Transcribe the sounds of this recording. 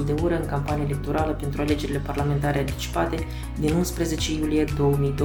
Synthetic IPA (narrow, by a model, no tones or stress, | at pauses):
ld̪e̞uɾəɨŋkampanijaele̞k̚t̪o̞ɾaləpe̞nt̪ɾuale̞d͡ʒe̞ɾile̞parlame̞nt̪aɾe̞ant̪i̥t͡ʃi̥pat̪e̞ | d̪inunspɾəze̞t͡ʃe̞julije̞d̪o̞wəmijd̪o